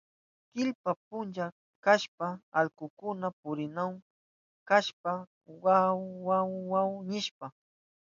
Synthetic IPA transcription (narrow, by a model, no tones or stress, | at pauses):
kɪʎpapʊnt͡ʃa | kaʃpaalkʊkʊnapʊɾɪnaw | kaʃpa | wawːawwawnɪʃpa